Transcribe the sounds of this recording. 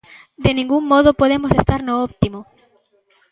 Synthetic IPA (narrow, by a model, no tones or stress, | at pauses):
d̪enĩŋɡuŋmɔð̞opoðemosest̪aɾnoɔp̚t̪imo